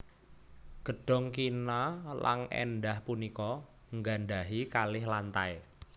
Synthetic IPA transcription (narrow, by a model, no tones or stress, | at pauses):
ɡ̥əɖ̥ɔ̤ŋk̬inala̰ŋɛ̰nɖahpunikɔ | ŋɡanɖaɦikalɪhlant̪ae